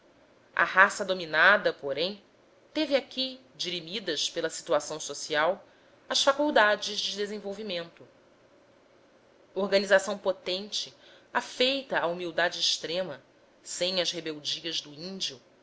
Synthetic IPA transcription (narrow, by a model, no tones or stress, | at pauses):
ʔa̰hasɐd̪ominad̪ɐpoɾẽj̃ | t̪evɪakʰʲi | d͡ʒiɾimid̪ɐʃpelɐsi̥t̪uasɐ̃w̃sosiaw | ɐsfakuwd̪ad͡ʒɪʒd͡ʒɪd̪ezẽvowvimẽnt̪ʊ | ohɡɐnizasɐ̃w̃pot̪ẽnt͡ʃɪ | afejt̪ɐːumiwd̪ad͡ʒɪːʃt̪ɾẽmɐ | sẽj̃ɐzhebewd͡ʒiɐzd̪ʊĩnd͡ʒiʊ